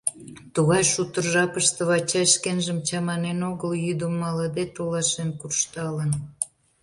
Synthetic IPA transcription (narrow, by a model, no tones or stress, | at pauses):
t̪uɣɑjʃut̪ərʒɑpəʃt̪ə̆βɑt͡ɕɑjʃkenʒəmt͡ɕɑmɑnenoɣəljyd̪əmːɑləd̪et̪olɑʃenkurʃt̪ɑlən